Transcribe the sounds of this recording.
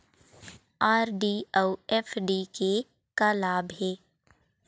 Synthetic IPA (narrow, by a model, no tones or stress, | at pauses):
aːɾɖiəwɛːfɖike | kalaːbɦɛː